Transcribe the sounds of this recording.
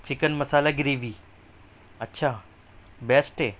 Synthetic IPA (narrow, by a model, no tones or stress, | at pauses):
t͡ɕɪkənmɐsaːlaɡɪɾiːʋiː | ɐtːɕʰaː | bɛːsʈeː